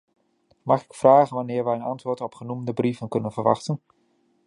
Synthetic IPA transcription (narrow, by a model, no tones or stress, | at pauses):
mɑχɪkfraːχənʋɑnɪːɹʋɛjənɑntʋʊːɹtɔpχənumdəbrivənkɵnənvəɹʋɑ̰χtən